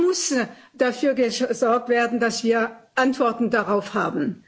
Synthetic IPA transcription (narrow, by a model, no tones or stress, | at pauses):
mʊs | d̥afyːɐɡəzɔɐk̚tv̥eːɐdn̩dasv̥iːɐʔantv̥ɔɐtn̩daʁaʊfhaːbn̩